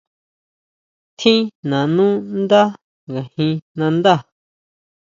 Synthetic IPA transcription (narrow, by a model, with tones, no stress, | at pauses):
t̪ʰĩ˦nã˨nũ˦nd̪a˦ | ɡa˨hĩ˧nã˧nd̪a˦˨